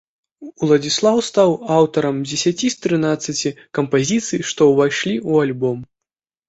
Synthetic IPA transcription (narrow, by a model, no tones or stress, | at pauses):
ulˠɐd͡zʲislˠawst̪awawt̪ɐɾɐmd͡zʲɛsʲat͡sʲist̪ɾɨnat̪sɐt͡sʲikɐmpazʲit̪sɨjiʂt̪ɔwvajʂlʲiualʲbɔm